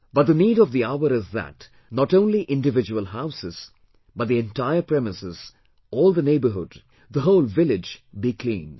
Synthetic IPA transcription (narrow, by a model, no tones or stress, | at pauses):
b̥ʌt̚d̪əniːɾɔvðiaʊəɾɪzðæ̰ʈ | nɔʈõʊ̃nliʔɪ̃nɖɪvɪd͡ʒuwəlɦaʊsɪz̥ | bʌt̚d̪iɛ̃nʈaɪəɾpɾɛmɪsɪz̥ | ɔːlˠd̪əneɪbəɾɦʊd | ðəɦoʊlvɪlɪd͡ʒbikʰlḭ̃ːn